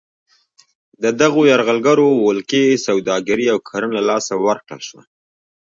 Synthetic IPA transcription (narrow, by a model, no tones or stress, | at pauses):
d̪əd̪aɣojaɾɣalɡaɾowʊlkesawd̪ɑɡaɾiawkʰaɾənlalɑsawaɾkla̰ʃwa̰